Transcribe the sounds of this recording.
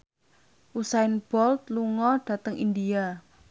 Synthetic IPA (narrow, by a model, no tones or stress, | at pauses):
ʔusaɪnb̥ɔlt̪̚luŋɔɖ̥ä̤t̪əŋʔindia